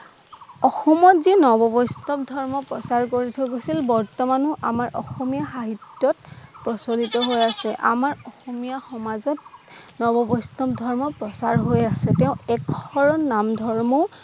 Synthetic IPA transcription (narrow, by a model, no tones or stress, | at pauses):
ɔxɔmɔzinɔbɔbɔjstɔbdʱɔɹmɔpɹɔsaɹkoɹitʰɔɡosilbɔɹtɔmanuʔamaɹʔɔxɔmijaxaɦitjɔtpɹɔsodʱitɔɦojasɛʔa̰maɹɔxɔmijaxɔmazɔt̚nɔbɔbɔstɔb̚dʱɔɹmɔpɹɔsaɹɦojasɛtɛʊ̃ɛkːɔɹɔnnːamdʱɔɹmɔ